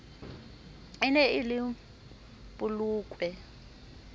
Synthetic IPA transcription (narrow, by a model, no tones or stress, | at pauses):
ɪnɛɪlɪ | pʼʊluːkʼwɛ